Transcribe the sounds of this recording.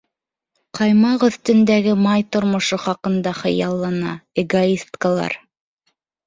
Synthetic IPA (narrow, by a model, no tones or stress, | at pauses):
qʰɑjmɑqɵ̆θt̪ɵ̆nd̪æɡɘmɑjt̪ŏɾmŏʃoχɑqɤ̆nd̪ɑχɤ̆jɑlˠːɑnɑ̰eɡoist̪kəlˠɑ̰ɾ